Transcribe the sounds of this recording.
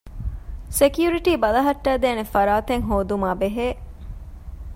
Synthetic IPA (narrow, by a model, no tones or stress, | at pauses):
sekjuɾiʈiːbɐlɐɦɐʈːæːd̪eːnefɐɾaːt̪eŋɦoːd̪umaːbeɦeː